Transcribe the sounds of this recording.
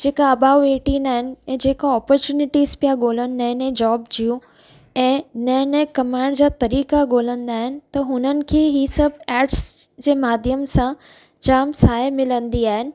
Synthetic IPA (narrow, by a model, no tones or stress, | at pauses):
d͡ʑeːkaɐbaːʋʋeːʈĩnaːɦɪnɪ̆ɛ̃ːd͡ʑeːkoɔːpɔɾt͡ɕuːnɪʈiːzpijaɠoːlənɪ̆nɐ̃ːnẽd͡ʑɔːbd͡ʑijũ | ɛ̃ːnɐ̃nẽkɐmaːɪɳɖd͡ʑaːt̪ɐɾiːkaɠoːlə̃nd̪aːɦɪnɪ̆t̪ɐɦʊnənɪ̆kʰeːɦisɐbʱɛːʈsd͡ʑeːmaːd̪ʱjəmsã | d͡ʑaːmsaːemɪlə̃nd̪iaːɦɪnɪ̆